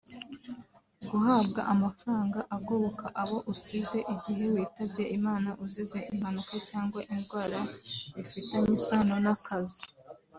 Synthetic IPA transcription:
ɡuɦabɡaʔamafɾaːŋɡaʔaɡoβokaʔaβo̞ʔusize̞ʔiɟiɦiwiːtabɟeʔimaːnaʔuzizeʔim̥hanukocaːŋɡwaʔindɡwaːɾaβifiteɲisaːnonakazi

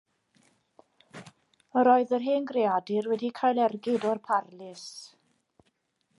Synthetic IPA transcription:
əɾɔɨðərɦeːnɡreadɪrwɛdikʰajlˠɛrɡɪdɔrpʰarlɪs

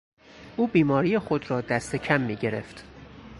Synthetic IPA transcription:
ʔuːbiːmɒːɾijexo̞d̪ɾɒːd̪æst̪e̞cʰæmːiːɟe̞ɾe̞ft̪

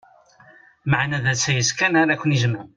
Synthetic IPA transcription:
maʕnæðæt͡sːæjəskænaɾakʷːənizmə

